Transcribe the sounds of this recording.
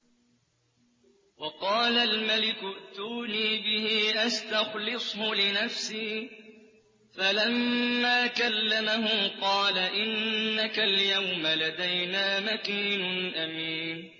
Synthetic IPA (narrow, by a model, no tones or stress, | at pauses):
wɑqɑːlalmalɪkʊʔt̪uːniːbɪhiʔast̪axlɨsˤhʊlɪnafsiː | falamːaːkalːamahʊqɑːlaʔɪnːakaljawmalad̪ajnaːmakiːnʊʔamiːn